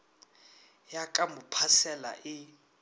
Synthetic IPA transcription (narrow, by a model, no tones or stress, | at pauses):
jakʼamupʰasɛla̰ʔɪ